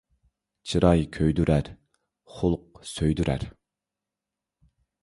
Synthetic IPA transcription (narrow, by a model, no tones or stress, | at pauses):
t͡ʃʰiɾɑjkʲʰøjd̪yɾʔæɾ | χʊlˠʊq̚søjd̪yɾʔæ̰ɾ